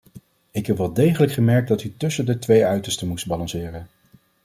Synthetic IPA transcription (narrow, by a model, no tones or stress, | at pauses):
ɪkɦɛpʋɛlˠdejχələkχəmɛɹk̚dɑtytɵsəndətʋejœɥtəɹstəmusd̚bɑlɑ̃nsɪːrən